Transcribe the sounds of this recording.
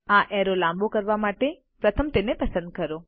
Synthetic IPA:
aʔɛɾolãmbokəɾʋamaʈe | pɾət̪ʰəmt̪enepəsə̃nd̪̚kəɾo

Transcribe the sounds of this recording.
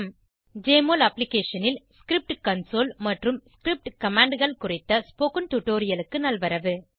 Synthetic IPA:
m | d͡ʒeːmoːlɐpːlɪkeːʂɐnɪlsskɾɪp̚ʈkɐnsoːlmɐʈrɯmskɾɪp̚ʈkɐmaːɳɖɣɐɭkʊrɪt̪ːɐspoːkɯnʈ̪ʊʈːoːɾɪjɐlɯkːɯnɐlʋɐɾɐʋɯ

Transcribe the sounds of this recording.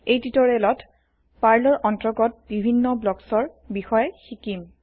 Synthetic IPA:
ejtitɔɹelɔt | paɹlɔɹʔɔntɔɡɔt̚bibʱinːɔblɔksɔɹ | bixɔjɛxikim

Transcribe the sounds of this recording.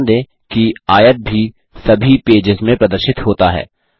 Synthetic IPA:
nd̪ẽː | kiaːjəʈ̪̚bʱi | sɐbʱipeːd͡ʒɪzmẽpɾɐd̪əɾʃɪt̪hoːt̪aɦɛ̰ː

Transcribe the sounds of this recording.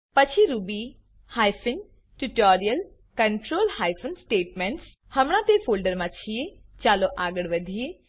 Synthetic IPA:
pɐt͡ʃʰiɾubi | haːjpɪn | ʈuʈoːɾijəl | kɐɳʈɾoːlhaːjpʰənsʈeːʈmẽɳʈs | hɐmɳ̃ãt̪efʰoːlɖəɾmãt͡ʃʰijet͡ʃaːloʔaːɡəɽʋɐd̪ʱije

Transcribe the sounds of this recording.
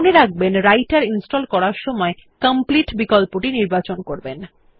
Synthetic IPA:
oneɾaɡ̚benɾajʈaɾinsʈɔlkɔɾaɾʃɔmɔekəmpliʈbikɔlpoʈiniɾbat͡ɕonkoɾben

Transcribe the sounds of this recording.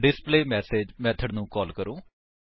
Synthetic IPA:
ɖɪspleːmɛːseːd͡ʒmɛ̃ːt̪ʰəɖnũːkɔːlkəɾõː

